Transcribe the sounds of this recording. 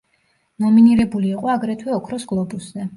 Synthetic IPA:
nɔminiɾɛbuliːqʼɔaɡɾɛt̪ʰwɛɔkʰɾɔsɡlˠɔbusz̥ɛ

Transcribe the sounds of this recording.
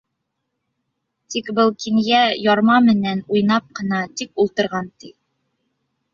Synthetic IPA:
t̪ikbɤlˠkinjæjɒɾmɑmɘ̆nænujnɑp̚qɤ̆nɑt̪ikulˠt̪ɤ̆ɾʁɑnt̪i

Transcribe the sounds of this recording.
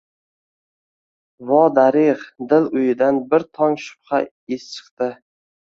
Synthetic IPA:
vɒd̪aɾɪʁd̪ɪlʊjɪd̪anbɪɾt̪ʰɒŋʃʊ̥pχɑ | est͡ʃʰɨ̥qt̪ɪ

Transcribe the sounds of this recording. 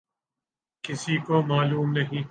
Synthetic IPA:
kɪsikomaːluːmnɐɦĩː

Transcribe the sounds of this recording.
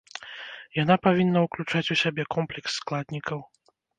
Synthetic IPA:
janapavʲinːɐuklʲut͡ʂat͡sʲusʲabʲɛkɔmplʲɛksːklˠad̪ʲnʲikʰɐw

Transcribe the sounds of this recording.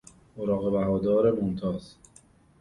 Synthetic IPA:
oɾɒːɣe̞bæɦɒːd̪ɒːɾemont̪ʰɒːz

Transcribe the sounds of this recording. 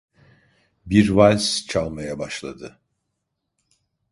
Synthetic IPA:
biɾvalʲst͡ʃʰalˠmajabaʃlˠa̰d̪ɯ

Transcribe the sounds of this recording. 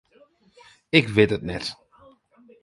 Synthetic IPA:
ɪkʋɪtətnɛt

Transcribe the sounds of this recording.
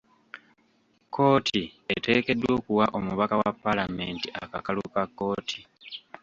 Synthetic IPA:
kʰːo̞ːtʰie̞te̞ːke̞dːwwo̞ːkuwaʔo̞muβakawapːalame̞ːntiʔakakalukakːo̞ːtʰi̥

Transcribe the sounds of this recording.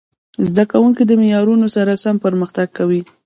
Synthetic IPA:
zd̪akawuŋkid̪əmɪjɑɾunosaɾasampəɾməxt̪aɡ̚kawi

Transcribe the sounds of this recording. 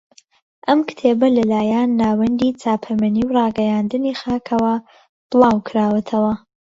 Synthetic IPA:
ʔɐmkt̪ʰeːbɐlɐlaːjaːnːaːwɐnd̪iːt͡sʰaːpʰɐmɐniːwrɑːɡɐjaːnd̪ɨniːxaːkʰɐwɐ | d̪̥ɨlˠɑːwkʰɨɾaːwɐt̪ʰɐwɐ

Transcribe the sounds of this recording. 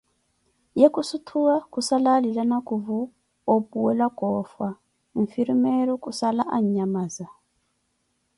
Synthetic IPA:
jekʼusutʰuwakusalalilanakʼuvu | opʼuwɛlakʼɔːfwa | ɱ̩fiɾimɛɺɔkusalaʔaɲ̩ɲamaːza

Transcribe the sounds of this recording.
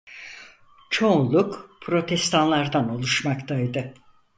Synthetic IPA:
t͡ʃʰolˠukpʰɾo̞t̪ʰɛst̪ʰanlˠaɾd̪ano̞lˠuʃmakt̪ʰajd̪ɯ

